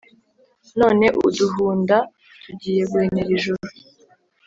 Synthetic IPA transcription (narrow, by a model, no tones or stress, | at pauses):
no̞ːne̞ʔuduɦuːnda | tʰuɟiːje̞ɡweːneɾiʒuɾu